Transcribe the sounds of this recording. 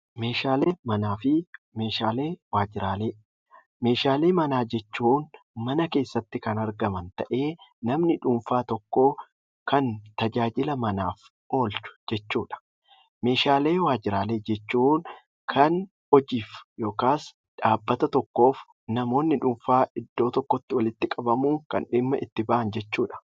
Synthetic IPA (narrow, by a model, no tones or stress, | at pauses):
meːʃaːleːmɐnaːfɪ | me̞ːʃaːleːwaːd͡ʒɪɾaːleː | me̞ːʃaːleːmɐnaːd͡ʒɛt͡ʃːuːn | mɐnɐke̞ːsːɐt̪ːɪkɐnɐɾɡɐmɐnt̪ɐʔe̞ːnɐmnɪᶑʊːɱfaːt̪ɔkːo̞ː | kɐnt̪ɐd͡ʒaːd͡ʒɪlɐmɐnaːf | o̞ːlt͡ʃʊ̥d͡ʒɛt͡ʃːuːᶑɐ̥ | me̞ːʃaːle̞ːwaːd͡ʒɪɾaːle̞ːd͡ʒɛt͡ʃːuːn | kʰɐn | ɔd͡ʒiːfjo̞ːkaːs | ᶑaːbːɐt̪ɐt̪ɔkːo̞ːf | nɐmo̞ːnːɪᶑʊːɱfaːɪd̪ːo̞ːt̪ɔkːɔt̪ːɪwɐlɪt̪ːɪkʼɐbɐmuːŋkɐ̰nᶑɪmːɐʔɪt̪ːɪbɐʔɐnd͡ʒɛt͡ʃːuːᶑɐ̥